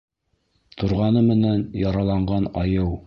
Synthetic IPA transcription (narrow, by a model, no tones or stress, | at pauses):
t̪ʰŏɾʁɑnɤmɘ̆nænjɑɾɑlˠɑɴɢɑnɑjɤw